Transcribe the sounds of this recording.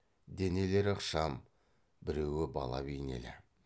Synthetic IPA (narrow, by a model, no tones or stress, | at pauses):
d̪e̞ne̞le̞ɾəqʃɑm | bɪɾe̞wɪbɑ̰lˠɑ̰bijnḛlɪ̰